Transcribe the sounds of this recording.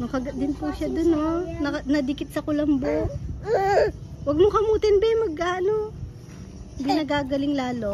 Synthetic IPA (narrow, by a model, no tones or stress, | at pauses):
nʊkɐɡɐd̪ɪnpuʃɐd̪ononɐnɐd̪ɪkɪt̪̚sɐkʊlɐmbo | wɐɡ̚mokɐmuːt̪ɪnbɛmɐɡaːno | hɪnd̪inɐɡaːɡɐlɪŋlaːlo